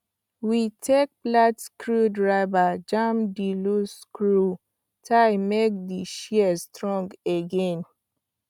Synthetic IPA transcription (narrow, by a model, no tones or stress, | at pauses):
witʰek̚platskɹudɹaɪvad͡ʒãmdiluskɹu | tʰaɪmek̚diʃiɛstɹɔ̃ŋɡeɡɛ̃n